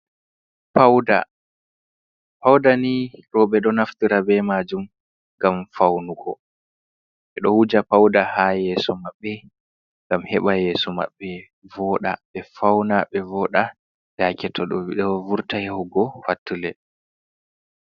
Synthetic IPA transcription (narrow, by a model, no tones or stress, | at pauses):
pawda̰ | pawdaniɾɔɓɛɗɔnaftiɾabɛmaːd͡ʒum | ŋɡamfawnuɡɔ | ʔɛɗɔhud͡ʒapawdahajɛːsɔmaɓːɛ | ŋɡamhɛɓajɛːsɔma̰ɓːɛ | vɔːɗa̰ɓɛfawnaɓɛvɔːɗa | d̥akɛtʰɔɗɔwiɗɛvuɾtahɛhɔɡɔfatːulɛ̰